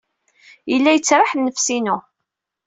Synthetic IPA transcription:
jəlːæjət͡sːɾˤaħnːəfsinu

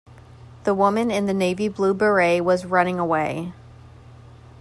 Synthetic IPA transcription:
ðəwʊmɨ̃nɨ̃nðɨneɪviblubə˞eɪwʌzɹʌñɪ̃ŋəweɪ

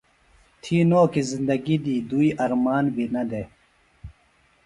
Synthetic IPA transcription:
t̪ʰiːnoːkizind̪ɐɡid̪iːd̪uiʔɐɾmaːnbinɐd̪e

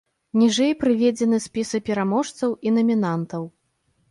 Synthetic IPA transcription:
nʲiʐɛjpɾɨvʲɛd͡zʲɛnɨsʲpʲisɨpʲɛɾamɔʂt̪sɐwinɐmʲinant̪ɐw

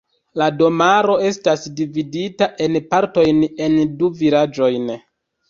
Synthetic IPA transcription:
lado̞maɾo̞e̞stasdividitaʔe̞npaɾto̞jne̞nduviɾad͡ʒo̞jn

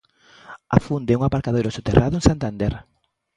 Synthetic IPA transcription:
a̰fund̪euŋapaɾkaðejɾosot̪erʔaðʊẽŋsant̪and̪eɾ

